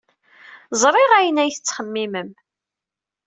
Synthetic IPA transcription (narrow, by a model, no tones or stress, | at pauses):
zˤɾˤɪʁæjənæjθət͡sːχəmːiməm